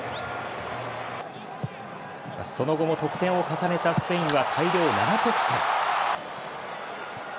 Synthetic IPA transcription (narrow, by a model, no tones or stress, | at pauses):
ma̰so̞no̞ɡo̞mo̞t̪o̞kɯ̟̥t̪ẽ̞ɰ̃o̞kasane̞t̪asɨ̥pe̞ĩɰ̃βat̪ʰaiɾʲo̞ːna̰ɾat̪e̞kʲi̥t̪a